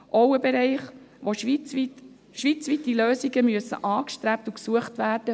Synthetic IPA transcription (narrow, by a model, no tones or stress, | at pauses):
ʔowəbeɾɛɪχ | ʋoʃiit | ʃʋit͡sʋitiløːsiɡəmyəsə̰ʔɑːkʃtɾæp̚tuksuəχtʋæːrd̥ə